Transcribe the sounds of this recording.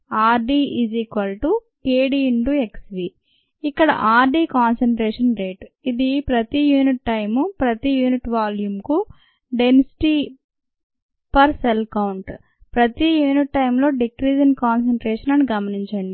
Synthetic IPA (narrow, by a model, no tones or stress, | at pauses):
aːɾɖiːid͡ʒikʋɐlʈu | eːɖiɳʈue̞ksʋiː | ikːɐɽɐ̰ʔaːɾɖiːkaːnsɐɳʈɾeːʂɐnɾe̞ːʈid̪ipɾɐt̪ijuːniʈːɐjmupɾɐt̪ijuːniʈʋaːljumku | ɖensi̥ʈi | pɐɾselkɐwuɳʈ | pɾɐt̪ijuːniʈːɐjmlo̞ːɖikɾiːd͡ʒiŋɡkaːns̬eɐɳʈɾeːʂɐnɐniɡɐmɐniɲt͡ʃɐɳɖi